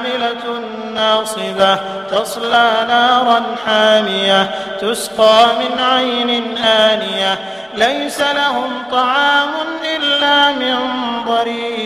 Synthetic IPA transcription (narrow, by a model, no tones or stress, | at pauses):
mɪla | nːɑːsˤɨba | t̪ɑsˤlaːnaːɾˤɑnħaːnɪja | t̪ʊsqɑːmɪnʕajnɪnʔaːnɪja | lajsalaɦʊmt̪ˤɑʕɑːmʊnʔɪlːaːmɪnðˤɑɾiː